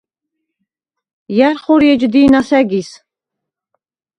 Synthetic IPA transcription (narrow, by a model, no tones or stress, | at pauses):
jaɾχɔɾjɛd͡ʒd̪iːnasɛɡis